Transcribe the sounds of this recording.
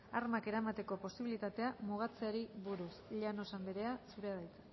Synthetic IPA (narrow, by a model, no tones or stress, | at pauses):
aɾmake̞ɾamat̪e̞ko̞po̞siβilit̪at̪e̞amuɣ̞at͡seaɾiβuɾusʎano̞sambeɾe̞asuɾeaðajt͡s̪e